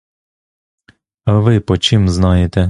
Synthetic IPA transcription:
ɐʋɪpɔt͡ʃimznɑjet̪ɛ

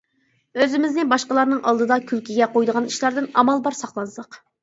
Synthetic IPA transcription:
øzɪmɪznɪbɑʃqəlˠɑɾnɨŋʔɑlˠd̪ɨd̪ɑkʲʰylkʲiɡʲɛqʰojd̪əʁɑniʃlˠɑɾd̪ɨnɑmɑlˠbɑɾsɑχlˠɑnsəq

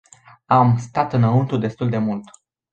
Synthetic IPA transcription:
amst̪at̪ɨnaunt̪ud̪e̞st̪uld̪e̞mult̪

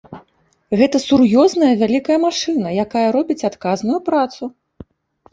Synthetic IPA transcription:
ɣɛt̪ɐsurjɔznɐjɐvʲalʲikɐjɐmaʂɨnɐjakajɐɾɔbʲit͡sʲat̪kaznujupɾat̪su

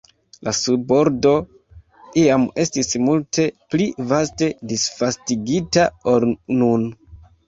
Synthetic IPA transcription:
lasubo̞ɾdo̞ | ʔiame̞stismultʰe̞plivaste̞disfastiɡitaoɾnun

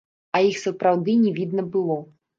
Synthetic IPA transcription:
ɐjixsɐpɾawd̪ɨnʲɛvʲid̪nɐbɨlˠɔ

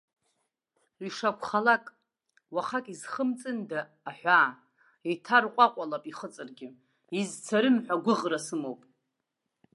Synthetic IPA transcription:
iʂakʷʰχalakʼ | waχakʼizχəmt͡sʼɨndaː | ħʷᶣaː | itʰarqʷʼaqʷʼalapʼiχət͡sʼɨrɡʲɪ | izt͡sʰaɾɨmħʷᶣaɡʷʊʁrasɨmowpʼ

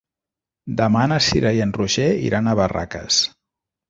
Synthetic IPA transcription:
d̪əmanəsiɾajenruʒeḭɾʔanəβara̰kə̰s

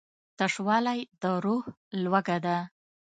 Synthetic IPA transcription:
t̪aʂwɑlajd̪əɾoh | lwaɡad̪a

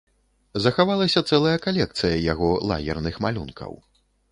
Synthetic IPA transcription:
zɐxavalˠɐsʲɐt̪sɛlˠɐjɐkalʲɛk̚t̪sɨjɐjaɣɔlˠa̰ɣʲɛrnɨxma̰lʲunkʰɐ̰w

